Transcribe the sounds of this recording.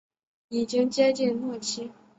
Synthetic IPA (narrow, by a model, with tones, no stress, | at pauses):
i˨˩t͡ɕi˥ŋt͡ɕjɛ˥t͡ɕi˥˧nmwɔ˥˩t͡ɕʰi˥